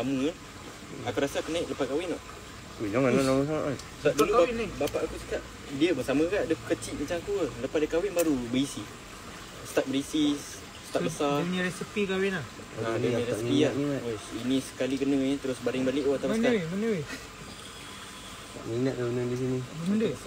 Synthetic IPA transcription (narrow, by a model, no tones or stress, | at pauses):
saməa | akuɾasakunaiʔləpad̚kawɪnɔʔ | t̪ud͡ʒɔŋanalaməs̬aŋaʔan | saʔdulubaibapaʔakut͡ʃə̥kaʔ | diəbəsamə̃kaʔdəkət͡ʃiʔ̚mat͡ʃaŋakuələpadəkawɪnbaɾubəisi | sə̥t̪aʔ̚bəɾisis | sə̥t̪aʔbəsaɲiɾɛsəpikawɪna | nadəĩɾɛsipiaiŋat̪inĩsə̥kalikənə̃t̪əɾʊsbaɾɪŋbalɪʔwaat̪awskamənəw | t̪a̰ʔminat̪̚daunədis̬iniməndə